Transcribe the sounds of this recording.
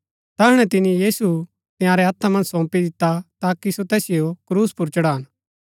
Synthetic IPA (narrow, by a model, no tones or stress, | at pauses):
t̪ɐɦʊɽ̃ɛt̪ɪnijiːsu | t̪ɪjãːɾɛɦɐt̪ʰːamɐ̃nd͡ʒsɔ̃ːpid̪ɪt̪ːat̪aːkisot̪ɛːsɪjokɾuːspʊɾt͡ʃɐɽaɦɐn